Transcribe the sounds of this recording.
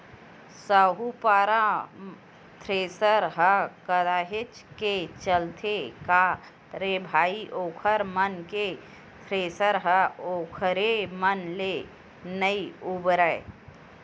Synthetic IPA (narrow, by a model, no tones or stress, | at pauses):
səɦupaːɾa | t̪ʰɾeːsəɾɦəkəd̪aːɦɪt͡ʃket͡ʃəlt̪ʰeka | ɾebʱaːiʔoːkʰəɾmənke | t̪ʰɾeːsəɾɦəoːkʰəɾemənle | nəiubɾəe